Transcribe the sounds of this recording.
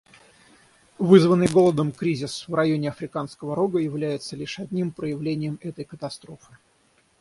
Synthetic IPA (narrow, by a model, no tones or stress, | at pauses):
vɨzvənːɨjɡo̞lˠəd̪əmkɾʲizʲɪsvrɐjonʲɪɐfɾʲɪkanskəvəɾoɡəjɪvlʲæjɪt̪səlʲiʂɐd̪ʲnʲimpɾəjɪvlʲenʲɪjəmɛt̪əjkət̪ɐst̪ɾo̞fɨ̥